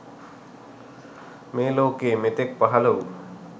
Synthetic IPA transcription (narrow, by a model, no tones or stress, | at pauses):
meːloːkeːmet̪ek̚paɦalɐw